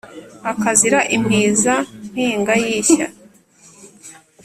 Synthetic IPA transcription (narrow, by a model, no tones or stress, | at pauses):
akaziɾaʔimiːzan̥hiːŋɡajiːça̰